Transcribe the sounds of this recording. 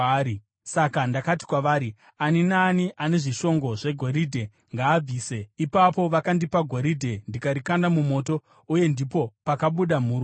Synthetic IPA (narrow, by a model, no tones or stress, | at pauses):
sakandakati̥kwaʋaːɾi | aninaːniʔaneʐiʃo̞ŋɡo̞ʐe̞ɡʱo̞ɾidʱe̞ | ŋɡaːb͡viːse̞ipapo̞ʋakandipaɡʱo̞ɾidʱe̞ndikaɾikandamumo̞ːto̞ | uje̞ndipo̞pakaɓuɗamuːɾ